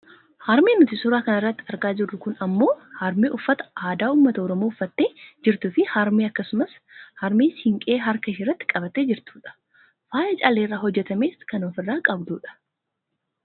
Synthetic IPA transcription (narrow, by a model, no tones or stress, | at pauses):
hɐɾmeːnʊt̪ɪsʊɾaːkɐnɐrːɐt̪ːɪ̥ɐɾɡaːd͡ʒɪrːʊkʊnɐmːo̞ːhɐɾmeːʔʊfːɐt̪ɐ̥aːd̪aːuːmːɐt̪ɐɔɾɔmoːʊfːɐt̪ːe̞ːd͡ʒɪɾt̪ʊfɪhɐɾmeːɐkːɐsʊmɐs | hɐɾmeːshɪŋkʼe̞ːɦɐɾkɐʃɪrːɐt̪ːɪ̥kʼɐbɐt̪ːe̞ːd͡ʒɪɾt̪u̥ːᶑɐ̥ | faːjɐt͡ʃʼaːleːrːaːɦhɔd͡ʒːɛt̪ɐmeːskɐnoːfɪrːaːkʼɐbd̪uːᶑɐ̥